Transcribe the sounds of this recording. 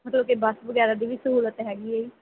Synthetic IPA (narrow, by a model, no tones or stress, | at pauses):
mət̪ləb̚kibəsʋəɡɛːɾad̪iːʋisəɦuːlət̪ɦɛːɡieiː